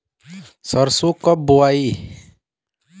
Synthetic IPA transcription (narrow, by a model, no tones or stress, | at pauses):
sɔɾsukːɔbuai